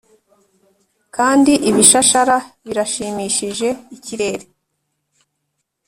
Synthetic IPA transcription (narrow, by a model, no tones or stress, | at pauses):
kaːndiʔiβiʃaʃaɾaβiɾaʃiːmiʃiʒe̞iciɾe̞ɾe